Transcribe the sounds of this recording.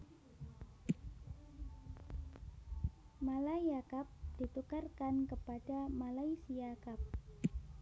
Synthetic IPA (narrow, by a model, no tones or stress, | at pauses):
malajakap̚d̥it̪ukarkankəpad̥amalaisijakap̚